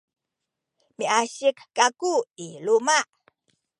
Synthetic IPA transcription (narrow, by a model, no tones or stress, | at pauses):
miaɕikkakuilumaʔ